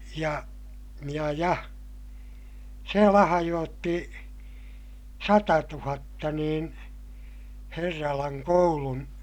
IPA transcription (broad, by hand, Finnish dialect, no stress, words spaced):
jɑ jɑ jɑ se lɑhɑjoːtːi sɑtɑtuhɑtːɑ niːn herːɑlɑŋ koulun